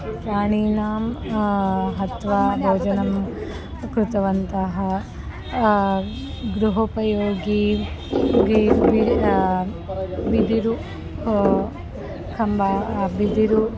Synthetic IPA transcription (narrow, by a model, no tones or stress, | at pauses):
pɾaːɳiːnaːm | ɦɐt̪ʋɐboːd͡ʒɐnɐm | kɾut̪ɐʋɐnt̪ɐɦɐ | ɡɾuɦɐpɐjoːɡi | ii | ʋid̪iɾu | kʰɐmbabid̪iɾu